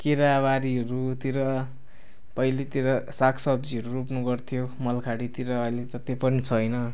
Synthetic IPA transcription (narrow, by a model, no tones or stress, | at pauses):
kiɾabaɾiɦʌɾut̪iɾʌ | pʌjlit̪iɾʌsakʰsʌb̚d͡ziʌɾurupnuɡʌrt̪ʰijomʌlkʰaɽit̪iɾʌːjlet̪ʌt̪epʌnit͡sʰʌjnʌ